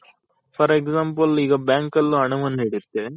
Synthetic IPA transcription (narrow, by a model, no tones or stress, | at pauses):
fɐɾɛksaːmpɐlɪɣɐbaːŋkɐlɐɳɯʋɐnɛɽɯt̪ːe